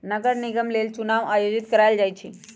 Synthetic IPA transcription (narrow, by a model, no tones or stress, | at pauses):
nəɡəɾniɡəmlelt͡ʃunaːʋajod͡ʒit̪̚kəɾajld͡ʒajt͡ʃʰi